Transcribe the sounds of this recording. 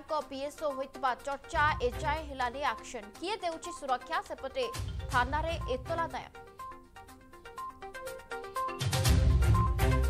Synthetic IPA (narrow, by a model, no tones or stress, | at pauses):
ŋkɔpiesoɦojt̪bat͡ɕɔɾt͡ʃaʔet͡ʃajeɦelaniakʃənkied̪ewt͡ʃʰisuɾɔkʰːjasepəʈet̪ʰanaɾeʔet̪ːɔlad̪ɔjɔ̰